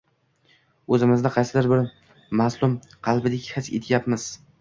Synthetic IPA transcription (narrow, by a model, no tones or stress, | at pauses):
ɵzɪmɪznɪqʰɑjsɪd̪ɪɾbɪɾ | maslˠʊm | qʰɑlˠbɪd̪ɪkʲhɪt͡ʃḛt̪ʰɪjapmɪz̥